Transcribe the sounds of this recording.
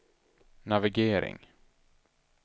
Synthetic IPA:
navɪɡeːɾɪ̰ŋ

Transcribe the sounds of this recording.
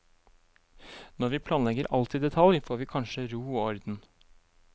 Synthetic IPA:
nɔɾʋiːpʰlɑːnlɛɡəɾʔɑ̰lt̪ʰiːd̪ɛt̪ʰɑljfoːɾʋiːkʰɑnʃəɾuːoːɔɾd̪n̩

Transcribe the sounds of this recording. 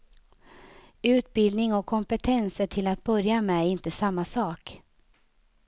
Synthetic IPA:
ʉ̟ːt̪̚bɪld̪nɪŋɔkʰːɔmpɛt̪ʰɛnsəʈʰɪlat̪̚bœɾjamɛɪnt̪əsamːasɑːk

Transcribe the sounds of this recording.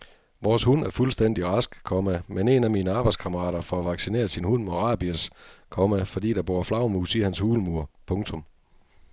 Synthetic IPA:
ʋɒːshunæɐfulsd̥en̰d̥iʁɑ̈sɡ̥kʰɒ̽mæmene̝næmiːnəɑ̈ːb̥ɑɪd̥skʰɑ̈məʁɑ̰̈ːɾ̥ɐfɒ̽æʋɑ̈ɡ̥sine̝̰ːɐsinhunmɒ̽ʁɑ̈ːb̥iəskʰɒ̽mæfɒ̽d̥ḭːd̥ɑ̈b̥o̝ɐflɑ̈ʊmuːsihænshuːləmuɐ̰pʰɔ̽ŋt͡sʰɔ̽m

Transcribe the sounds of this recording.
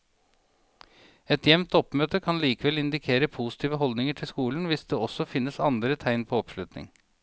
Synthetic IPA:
ɛt̪jɛʋnt̪ɔpmøːt̪əkʰɑnliːkəʋɛlɪnd̪ɪkʰeːɾəpʰuːsɪt̪iːʋəɦɔld̪nɪŋəʈʰɪlskuːln̩ʋɪsd̪eːɔsɔfɪnːəsɑnd̪ɾət̪ʰæɪnpʰoːɔpʂlʉt̪nɪ̰ŋ

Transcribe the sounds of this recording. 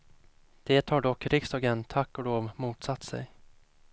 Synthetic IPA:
d̪̥ɛːt̪haɖɔkːɾɪkst̪ɑːɡɛnt̪ʰakːɔd̪oːvmuːt̪sat̪ːsɛ̰j

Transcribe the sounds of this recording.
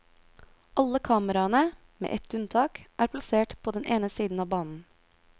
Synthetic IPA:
ʔɑləkʰɑːməɾɑnə | mḛːʔɛt̪ʉnt̪ʰɑːkʔæːɾpʰlɑseːʈpʰoːd̪ɛnʔeːnəsiːd̪n̩ɑːbɑːnn̩

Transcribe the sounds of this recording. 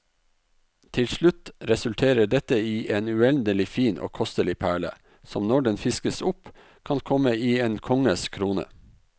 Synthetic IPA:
t̪ʰɪlʃɭʉt̪ɾɛsʉlt̪ʰeːɾəɖɛt̪əiːʔeːnʉɛnd̪əlɪfiːnʔo̰ːkʰɔst̪əlɪpʰæːɭə̰ | sɔmnɔɖɛnfɪskəsʊp | kʰɑnkʰɔməiːeːnkʰɔŋəskʰɾuːnə̰

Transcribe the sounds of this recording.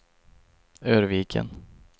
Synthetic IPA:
øːɾviːkʰə̰n

